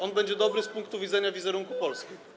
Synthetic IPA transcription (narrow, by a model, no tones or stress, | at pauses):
ɔnbɛɲd͡ʑɛd̪ɔbɾɘspuŋk̚t̪uvʲid̪zɛɲavʲizɛɾuŋkupɔlskʲi